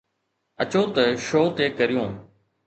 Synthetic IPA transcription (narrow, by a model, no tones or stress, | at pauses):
ət͡ɕoːt̪əʃoːt̪eːkəɾɪjõː